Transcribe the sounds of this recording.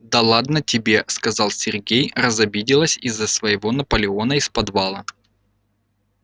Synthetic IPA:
d̪ɐlˠad̪nətʲɪbʲe̞skɐzɑlˠsʲɪrɡʲejrəzɐbʲidʲɪlˠəsʲizːəsvəjɪvo̞nɐpəlʲɪo̞nəɪspɐd̪valˠə

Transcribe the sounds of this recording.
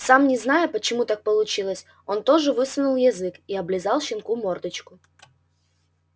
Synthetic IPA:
samnʲɪznajʊpət͡ɕɪmut̪ak̚pəlˠʊt͡ɕilˠəsʲ | ont̪o̞ʐɨvɨsʊnʊlˠjɐzɨkiɐblʲɪzalˠɕɪnkumord̪ɨt͡ɕkʊ

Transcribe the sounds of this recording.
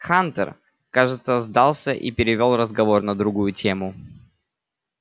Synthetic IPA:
xant̪ə̰r | kaʐɨt̪səzd̪alˠsʲəʔḭpʲɪɾʲɪvʲo̞lˠrəzɡɐvo̞rnəd̪ɾʊɡujʊtʲʰemʊ

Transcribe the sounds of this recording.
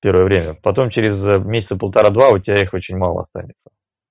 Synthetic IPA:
pʲeɾvəjəvɾʲemʲəpɐt̪o̞mt͡ɕeɾʲɪzmʲesʲɪt̪səpəlˠt̪ɐɾad̪vaʊtʲɪbʲaɪxo̞t͡ɕɪnʲmalˠə̰ɐ̰st̪a̰nʲɪt̪sə̥

